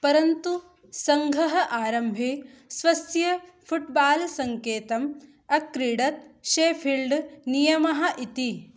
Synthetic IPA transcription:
pɐɾɐnt̪u | sɐŋɡʱɐɦɐʔaːɾɐmbʱi | sʋɐsjɐ | pʰuʈbaːlsɐŋkeːt̪ɐm | ɐkɾiːɽɐt̪̚ʃeːpʰilɖnijɐmɐɦɐʔit̪i

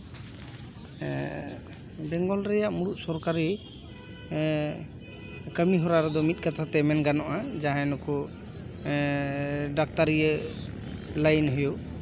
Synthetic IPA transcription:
bɛŋɡɔlɾɛjaʔmuɽuʔ̪̚sɔɾkaɾi | kəmiɦɔɾaɾɛd̪ɔmit̪̚ˀkat̪ʰat̪ɛmɛnɡanɔʔad͡ʒaɦãnɔkɔ | ɖak̚t̪aɾiə | lajnɦɔjɔʔ

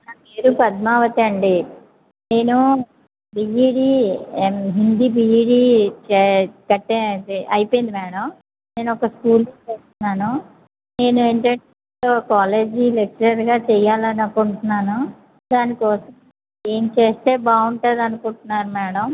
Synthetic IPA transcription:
nɐeːɾupɐd̪maːʋɐt̪iɐɳɖi | ne̞ːnu | bijiːɽiːmɦind̪ibijiːɽiːt͡ʃɛkɐʈːeɐjpoːjind̪imɛːɽɐm | ne̞ːnuɔkɐskuːlt̪ot͡ʃeːst̪unːaːnu | ne̞ːnueːɳʈɐɳ | oːkaːle̞ːd͡ʒilek̚t͡ʃɐɾɐɾɡaːt͡ʃɛjːaːlɐnɐkːuɳʈunːaːnu | d̪aːnikɔːsɐm | e̞ːmt͡ʃe̞ːst̪e̞ːbaːuɳʈaːd̪ɐnukuɳʈunːaːɾumɛːɽɐm

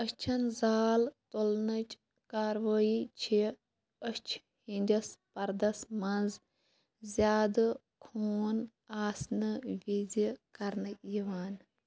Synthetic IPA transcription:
əʃt͡ʃʰɐnzaːlt̪olnɐt͡ʃ | kaːɾʋɐːjit͡ʃʰi | əʃt͡ʃʰ | hinʲd̪ʲɐspɐɾd̪ɐsmɐnz | zʲjaːd̪ɨ | kʰoːn | aːsnɨʋʲid͡zikɐɾnɨjiʋaːn

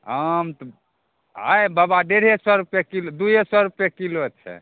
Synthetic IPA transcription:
ɦəmt̪ɔ | ɦajbabaɖeɽ̤esɔɾupɛkilod̪ujesɔɾupɛkilot͡ʃʰɛ̰

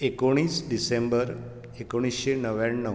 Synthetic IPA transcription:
ekoɽ̃iːsɖisẽmbəɾ | ekoɽ̃isɕenəʋjaɳːə

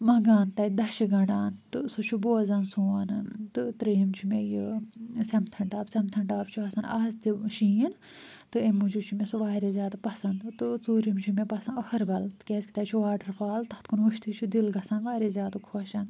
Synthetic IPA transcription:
mɐɡaːnt̪ɐid̪ɐʃiɡɐɽaːnt̪ɨsut͡ʃʰuboːzɐnsuːɐnɨnt̪ɨt̪ɾijimt͡ʃʰumejisɐmt̪ʰɐɳʈaːbsɐmt̪ʰɐɳɖaːbt͡ʃʰuɐsɐnaːst̪iʃiin | t̪ɨemut͡ʃʰut͡ʃʰumesɨʋaːɾezʲjaːd̪ɨpɐsɐnd̪t̪ɨt͡suːɾimt͡ʃʰumepɐsɐnɐkʰɐɾbɐlt̪kʲeːskit̪aːt͡ʃʰuʋaːɖɐɾfʰaːlt̪ɐt̪kunʋuʃt̪it͡ʃʰud̪ilɡɐsɐnʋaːɾezjaːd̪ɨkʰoːʃɐn

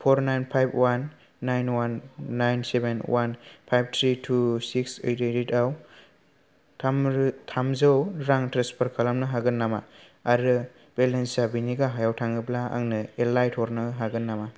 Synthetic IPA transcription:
pʰoɾnajnpʰajb̚ʰwanː | ajnwanːajnsebenwʔanpʰajb̚tʰɾitʰusiksɯjɾɯjɾitaw | tʰamɾtʰamzɯwɾaŋtɾanspɔɾkʰalamnɯɦaɡɯnːama̰ | aɾɯ | b̥elensabiniɡaɦajawtʰaŋɯblaa̰ŋnɯelajtʰɔɾnɯɦaɡɯnːama

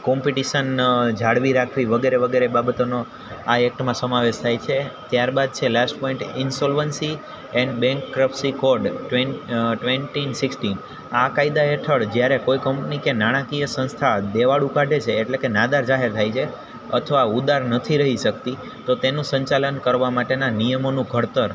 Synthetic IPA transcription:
kɔmpiʈiʃənd͡ʒʱaɽʋiɾakʰʋiʋəɡeɾeʋəɡeɾebabət̪ono | aɛk̚ʈmãsəmaʋeʃt̪ʰajt͡ʃʰet̪jaɾbad̪̚t͡ʃʰelasʈpɔ̃ĩɳʈɪnsɔlʋənsi | ɛɳɖbɛ̃ŋkːɾəpsikɔɾɖʈʋeʈʋeɳʈinsɪksʈin | akajd̪aeʈʰəɽd͡ʒjaɾekojkəmpnikenaɽ̃ãkijəsə̃nst̪ʰad̪eʋaɽukaɖet͡ʃʰeːʈlekenad̪aɾd͡ʒaɦeɾt̪ʰajt͡ʃʰe | ə̰t̪ʰəʋaud̪aɾnət̪ʰiɾəɦiʃək̚t̪i | t̪ot̪enũsəɲt͡ʃalənkəɾʋamaʈenanijəmonũɡʱəɽt̪əɾ

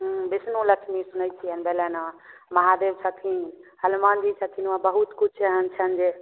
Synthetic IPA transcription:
ɦbisnuləkʃmisunəjt͡ʃʰijənbelenãmɐɦad̪ebt͡ʃʰət̪ʰinhəlmand͡ʒit͡ʃʰət̪ʰinãbəɦut̪kut͡ʃʰəɦənt͡ʃʰənd͡ʒe

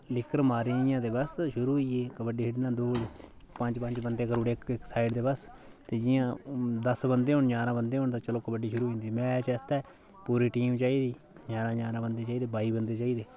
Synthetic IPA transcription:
lɪkʰːəɾmaːɾijãːd̪eːbəsʃʊɾuːɦiːeːkəbəɖiːɦɪɖnãːd̪oːɽ | pəɲd͡ʒpəɲd͡ʒbənd̪eːkəɾuːɽeːkksaːɪɖd̪eːbəs | t̪eːd͡ʒɪjãːd̪əsbənd̪eːɦõːɳɲaːɾãːbənd̪eːɦõːɳt̪ãːt͡ʃəloːkəbəɖiːʃʊɾuːɦẽːnd̪iːmɛ̃ːt͡ʃɛːst̪ɛː | puːɾiːʈiːmt͡ʃaːiːd̪iː | ɲaːɾãːɲaːɾãːbənd̪eːt͡ʃaːiːd̪eːbaːiːbənd̪eːt͡ʃaːiːd̪eː

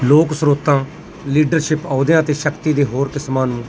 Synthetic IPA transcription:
loːksɾoːt̪ãː | liːɖəɾʃɪpaːd̪ɪjãːt̪eːʃəkt̪iːd̪eːɦoːɾkɪsmãːnũː

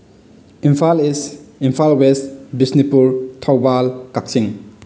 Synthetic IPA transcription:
imfʰalisimpʰalwestbisnipuɾtʰawbalkak̚siŋ

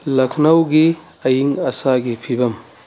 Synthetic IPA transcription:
lɐkʰnɐwɡi | ɐjiŋɐsaɡipʰibɐm

